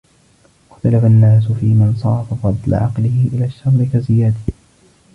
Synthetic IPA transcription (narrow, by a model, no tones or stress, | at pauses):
ɪxt̪alafanːaːs̬ʊfiːmansˤɑːfafɑd̪ˤla̰ʕɑqlɪhɪʔɪlaːʃːɑɾˤɾɪkazɪjaːd̪a